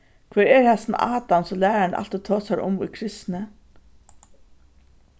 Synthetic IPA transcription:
kʰvɛːɹɛɾhɛsn̰aːt̪amsɔlæːaaɳʔa̰l̥t̪ɔt̪ʰoːsaɾʊ̰mʊ̰jkʰɾɪst̪nə

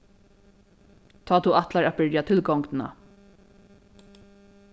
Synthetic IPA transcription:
t̪ʰaːt̪ʰuat̪laɹabɪɹjat̪ʰɪlɡɔŋknna̰

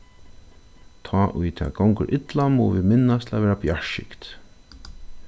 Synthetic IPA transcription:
t̪ʰɔːʔʊjt̪ʰɛ̰ːɡɔwŋkəɾʔɪt̪lamɔvimɪnːast̪ʰɪlavɛːɾabjaʃɪ̰kt̪

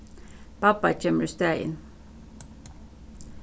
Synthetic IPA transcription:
pʰɑpɑ̰c͡çɛməɹst̪æɪ̰n

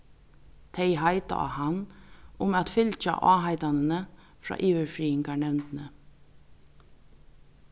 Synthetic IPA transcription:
t̪ʰeɪɦaɪt̪a̰ʔa̰hanʊmæt̪fʏlt͡ʃa̰ʔɑːɦaɪt̪anənə | fɾɑ̰ːʔiːʋəɹfɾiːɪŋkaɳɛʋnt̪ənə

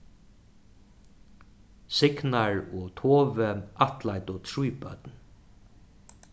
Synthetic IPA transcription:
sɪknaɹɔt̪ʰoːvəʔat̪lajt̪ʊt̪ʰɾujpœ̰t̪n

